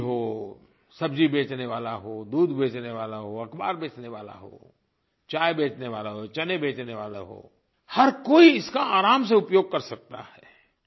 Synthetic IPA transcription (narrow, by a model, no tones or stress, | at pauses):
ɦoː | sɐbd͡ʒibeːt͡ʃneʋaːlaɦoːd̪uːd̪beːt͡ʃneʋaːlaɦoɐkba̰ːɾbeːt͡ʃneʋaːla̰ɦo̰ː | t͡ʃaːjbeːt͡ʃneʋaːlaɦot͡ʃɐnebeːt͡ʃneʋaːla̰ɦo̰ː | hɐɾkoːiɪskaaːɾaːms̬eʊpjoːɡ̚kɐɾsɐk̚t̪a̰hɛ